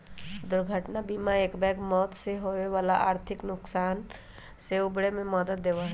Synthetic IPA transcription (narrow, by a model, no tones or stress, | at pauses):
d̪ʊɾɡʱəʈnabimaeːkbɛkmɔːt̪seɦoeʋaːlaʔaːɾt̪ʰɪknʊksaːn | seʊbɽemẽmɔd̪əːeʋaɦɛ